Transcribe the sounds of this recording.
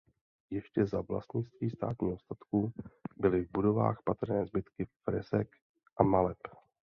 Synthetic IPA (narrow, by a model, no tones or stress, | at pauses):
jɛʃcɛzavla̰st̪ɲɪt͡sst̪viːst̪a̰ːt̪ɲiːɦost̪at̪kubɪlɪvbudo̞va̰ːxpat̪r̩nɛːzbɪt̪kɪfɾɛ̰zɛk | ʔamalɛp